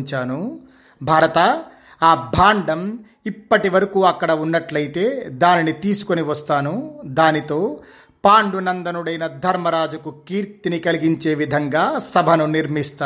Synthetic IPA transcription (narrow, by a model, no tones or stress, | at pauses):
ɲt͡ʃaːnu | bʱaːɾɐt̪ɐ | aːbʱaːɳɖɐm | ipːɐʈiʋɐɾɐkuːɐkːɐɽɐunːɐʈlɐjit̪e̞ːd̪aːninit̪iːsu̥koniʋɐst̪aːnud̪aːnit̪o̞ː | paːɳɖunɐnd̪ɐnuɽɐjnɐd̪ʱɐɾmɐɾaːd͡ʒukukiːɾt̪inikɐliɡiɲt͡ʃe̞ːʋid̪ʱɐŋɡaːsɐbʱɐnuniɾmist̪aː